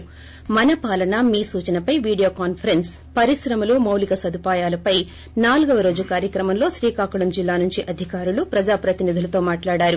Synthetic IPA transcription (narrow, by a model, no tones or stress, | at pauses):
mɐnɐpaːlɐnɐmiːsuːt͡ʃɐnɐpɐjʋiːɽijo̞ːkaːnpʰɐɾenspɐɾisɾɐmɐlumɐwlikɐsɐd̪ʱupaːjaːlɐpɐj | naːluɡɐʋɐɾo̞ːd͡ʒukaːɾjɐkɾɐmɐmlo̞ːʃɾiːkaːkuɽɐmd͡ʒilːaːnuɲt͡ʃiʔɐd̪ʱikaːɾulupɾɐd͡ʒaːpɾɐt̪inid̪ʱulɐt̪o̞ːmaːʈlaːɽaːɾu